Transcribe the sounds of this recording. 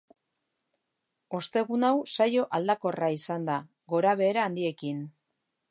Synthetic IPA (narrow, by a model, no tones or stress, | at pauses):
o̞st̪e̞ɣunawsajo̞ʔald̪ako̞raisand̪a | ɣo̞ɾaβ̞e̞ːɾaːnd̪ie̞kin